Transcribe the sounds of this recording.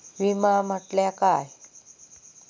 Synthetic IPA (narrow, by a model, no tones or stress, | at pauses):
ʋimãm̤əʈljakaj